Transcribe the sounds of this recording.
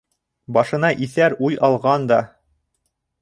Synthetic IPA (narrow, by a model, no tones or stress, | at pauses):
bɑʃɤ̆nɑʔiθæɾujɑlˠʁɑnd̪ɑ